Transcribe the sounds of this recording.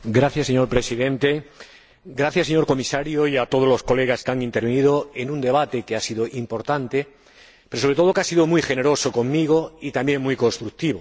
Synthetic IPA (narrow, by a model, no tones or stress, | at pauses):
ɡɾaθjaseɲo̞ɾpɾe̞siðẽ̞nt̪e | ɡɾaθjaseɲo̞ɾkomisaɾjoiat̪o̞ð̞olo̞sko̞le̞ɣ̞askeaŋĩnt̪eɾβeniðoenũnd̪e̞β̞at̪ekeasiðoʔimpo̞ɾt̪ant̪e | peɾos̬oɾet̪oo̞keasiðomujχe̞ne̞ɾo̞soko̞ŋmiɣ̞oit̪ambje̞ŋmujko̞nst̪ɾuk̚t̪iβ̞o